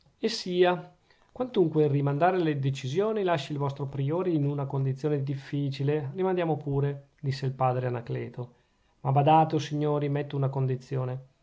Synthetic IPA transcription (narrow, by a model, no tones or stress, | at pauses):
esːiːa | kwant̪uŋkwerimand̪aːɾeled̪et͡ʃizjoːnilaʃːilvɔst̪ɾopɾioːɾeinunakond̪it̪sːjoːned̪ifːiːt͡ʃilerimand̪jaːmopuːɾe | d̪isːeilpaːd̪ɾeanaklɛːt̪o | mabad̪aːt̪osiɲːoːɾimet̪ːounakond̪it̪sːjoːne